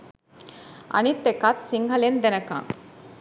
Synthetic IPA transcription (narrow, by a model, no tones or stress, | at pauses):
ʔɐ̰nit̪ːekat̪siŋɡɐlend̪enɐkã̰ŋ